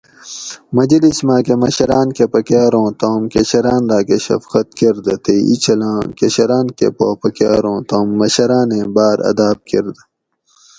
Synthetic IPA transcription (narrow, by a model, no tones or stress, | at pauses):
mɐd͡ʑɐlismãːkemɐɕɐɾaːnkepɐkjaːɾõːt̪oːmkeɕɐɾãːnlaːkeɕɐ̰fkɐt̪̚keɾd̪ɐt̪eḭt͡ɕʰɐlãːkeɕɐɾaːnkḛpopɐkjaːɾõːt̪õːmːɐɕɐɾaːnẽːbaːɾɐ̰d̪aːb̚keɾd̪